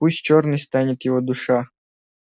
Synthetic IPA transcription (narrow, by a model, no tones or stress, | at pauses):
pusʲt͡ɕornɨjst̪anʲɪt̪jɪvod̪ʊʂa